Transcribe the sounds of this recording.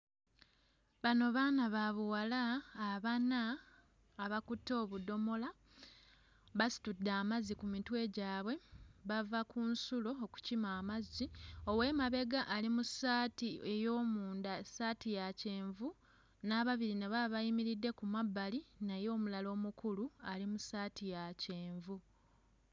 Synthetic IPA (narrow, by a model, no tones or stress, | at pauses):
βano̞βaːnaβaβuwalaːβanaː | βakutːo̞ːβudo̞mo̞la | βasi̥tudːaːmazikumitwe̞ɟaːβwe̞βavakʰunsulo̞ːku̥cimaːmazio̞we̞ːmaβe̞ɡaʔːlimusaːtiejo̞ːmuːndasaːtijace̞ːɱvu | naːβaβiɾineβaβajimiɾidːe̞kumabːalinajo̞ːmulalo̞ːmukulualimusaːtijace̞ːɱvu